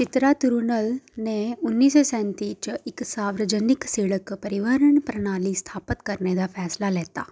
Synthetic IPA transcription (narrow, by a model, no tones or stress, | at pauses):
t͡ʃit̪ɾat̪uɾunɐlneunːiːsosɛ̃ːnt̪iːt͡ʃiksaːʋɾɐd͡ʒɐniksiːɭɐkpɐɾiʋaɾəɳpɾɐɳaːlist̪ʰaːpət̪kɐɾneːd̪afʰɛːslalɛːt̪aː